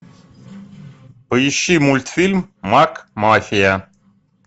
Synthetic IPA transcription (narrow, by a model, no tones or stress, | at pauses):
pəjɪɕːimulʲt̪fʲilʲmːakmafʲɪja